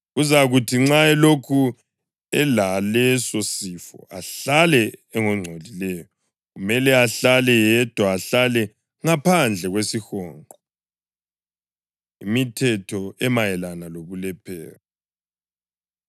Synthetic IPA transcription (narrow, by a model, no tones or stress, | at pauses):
ɣuzaɣutʰiŋ͡ǀaɛlokʰu | ɛlalɛsosifɔ̰ʔa̰ɬalɛːŋɔŋ͡ǀʱolilɛjɔ | ɣumɛlɛaɬalɛjɛd̥ʱwaːɬalɛ | ŋapʰand͡ɮʱɛɣwesixɔːŋʱɔ | imitʰɛtʰɔɛmajɛlanaloβulɛpʰɛ̰ːɣɔ